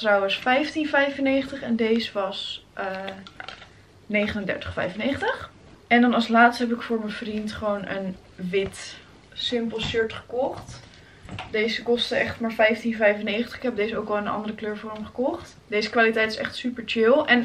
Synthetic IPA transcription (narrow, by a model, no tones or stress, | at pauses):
trɔwənsfɛjftinvɛjvənejχəntəχɛndejzəʋɑsʔə | nejχənəndɛ̰ɹtəχfɛ̰jvənejχəntəχ | ɛndɑnɑlˠslaːtstəɦɛp̬ɪkfʊːɹmənvrintχəʋownʔə̰n | ʋɪt | sɪmpəlˠʃʏɹtχə̥kɔχt | dejzəkɔstəɛχtmaːɹfɛjftinvɛjfənejχəntə̥χɪ̥kɦɛp̚dejzəowkɑlˠɪənɑ̰ndəɾəkløːɹvɔːɹəmχə̥kɔχt | dejzəkʋaːlitɛjtɪ̥sɛ̰χtsypəɹt͡ʃɪlˠɛn